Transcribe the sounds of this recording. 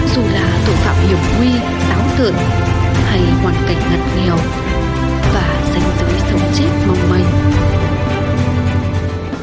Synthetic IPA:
zu˨˩laː˨˩t̪ʰṵ˧˨fa̰ː˧˨mʔi˨˩əwŋ͡mhwi˧ | saː˨˦ŋt̪ɨ̰˧˨ən | ha˧jhwaː˨˩nka˨˩jŋ̟ŋə˨˩t̚ŋɛ˨˩əw | vaː˨˩za˨˦jŋ̟zɨ̰ː˧˥jsə˨˦wŋ͡mt͡ɕe˦˥t̚ma˨˩wŋ͡mmə˨˩ŋ̟

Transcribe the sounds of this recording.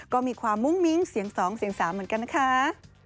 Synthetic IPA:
kɔː˥˩miː˧kʰwaː˧mːu˥˩ŋmi˦˥ŋsi˨˩˦əŋsɔː˩˦ŋsi˨˩˦əŋsaː˩˦mːɯː˨˩˦ənka˧na˥kʰa˦˥

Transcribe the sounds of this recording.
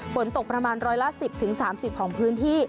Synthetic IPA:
fo˩˦nt̪o˨˩k̚pɾa˧maː˧nɾɔː˧jla˦˥ʔsi˨˩p̚t̪ʰɯ˩˦ŋsaː˩˦msi˨˩p̚kʰɔː˩˦ŋpʰɯː˦˥nt̪ʰiː˥˩

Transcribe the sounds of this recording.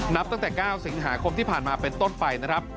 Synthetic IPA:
n˦˥p̚t̪a˥˩ŋt̪ɛː˨˩kaː˥˩wsi˨˩˦ŋɦaː˩˦kʰo˧mt̪iː˥˩pʰaː˨˩nmaː˧pe˧nt̪o˥˩npa˧jna˦˥kʰɾa˦˥p̚

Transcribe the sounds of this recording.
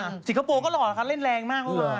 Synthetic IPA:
si˨˩ŋkʰa˧poː˧kɔː˥˩lɔː˨˩la˧kʰa˧˥˩le˥˩nɾlɛː˧ŋmaː˥˩k̚ʰɔ˥˧˩

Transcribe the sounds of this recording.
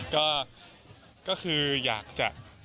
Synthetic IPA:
kɔː˥˩ | kɔː˥˩kʰɯː˧jaː˨˩k̚t͡ɕa̰˨˩

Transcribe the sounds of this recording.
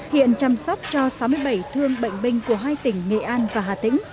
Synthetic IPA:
hḭ˧˨ənt͡ɕaː˧msɔ˦˥p̚t͡ɕɔ˧sa˨˦wmɨ˧əjɓa˧˩jt̪ʰɨ˧əŋɓə̰˧˨jŋ̟ɓï˧ŋ̟ku˧˩əɦaː˧jt̪ï˧˩ŋ̟ːḛ˧˨ʔaː˧nvaː˨˩ɦaː˧˩t̪ḭ̈˧˥ŋ̟

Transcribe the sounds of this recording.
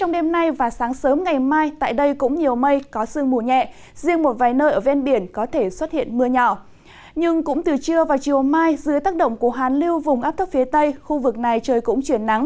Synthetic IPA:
t͡ɕɔ˧wŋ͡mɗe˧mna˧jvaː˨˩saː˨˦ŋsəː˨˦mŋa˨˩jmaː˧jt̪a̰ː˧˨jɗə˧jkʊ̰˧˥ŋ͡mɲi˨˩əwmə˧jkɔ˨˦sɨ˧əŋmu˧˩əɲɛ̰˧˨ʔ | zi˧əŋmo˨˩t̚vaː˨˩jnəː˧jʔəː˧˩vɛ˧nɓi˧˩ənkɔ˨˦t̪ʰe˧˩swə˦˥t̚hḭ˧˨ənmɨ˧əɲɔ˧˩ | ɲɨ˧ŋkʊ̰˧˥ŋ͡mt̪ɨ˨˩t͡ɕɨ˧əvaː˨˩wt͡ɕi˨˩əwmaː˧jzɨ̰˨˦ət̪aː˦˥k̚ɗə̰˧˨wŋ͡mku˧˩əɦaː˨˩nli˧wvʊ˨˩ŋ͡mʔaː˦˥p̚t̪̚ʰfi˨˦t̪ə˧jxu˧vɨ˨˩k̚na˨˩jt͡ɕəː˨˩jkʊ̰˧˥ŋ͡mt͡ɕwi˧˩ənːa˨˦ŋ

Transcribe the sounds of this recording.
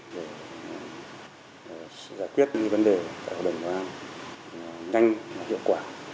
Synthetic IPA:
ve˧˩˨ | zaː˧˩jkwi˦˥ət̚ɨ̰˧˥ɲi˧və˧˦nɗe˨˩t̪a̰ː˧˨jha̰ː˨˩˨ɗə˨˩ŋ͡mka˧˦ʔaː˧n˨ | ɲa˧jŋvaː˨˩hḭ˧˨əwkwaː˧˩

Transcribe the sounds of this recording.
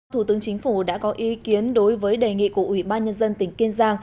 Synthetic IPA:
t̪ʰu˧˩t̪ɨ˨˦əŋt͡ɕï˨˦ŋ̟fu˧˩ɗa̰ː˧˥kɔ˨˦ʔi˨˦ki˨˦ənɗo˨˦jvəː˨˦jɗe˨˩ŋḭ˧˨ku˧˩əʔwi˧˩ɓaː˧nɲə˧nzə˧nt̪ï˧˩ŋ̟ki˧nzaː˧ŋ

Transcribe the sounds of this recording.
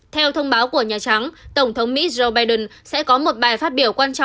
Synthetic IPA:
t̪ʰɛ˧wt̪ʰə˧wŋ͡mɓaː˨˦wku˧˩əɲaː˨˩t͡ɕa˨˦ŋt̪ə˧˩wŋ͡mt̪ʰə˨˦wŋ͡mmḭ˧˥zo˧wɓaː˧jɗə˨˩nsɛ̰˧˥kɔ˨˦mo˨˩t̚ɓaː˨˩jfaː˦˥t̚ɓi˧˩əwkwaː˧nt͡ɕɔ̰˧˨

